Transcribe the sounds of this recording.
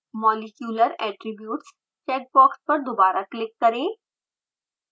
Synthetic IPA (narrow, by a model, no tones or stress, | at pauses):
mɔːlɪkjuːləɾɛːʈɾɪbjuːʈs | t͡ʃɛːk̚bɔːkspɐɾd̪obaːɾaklɪkːɐɾẽː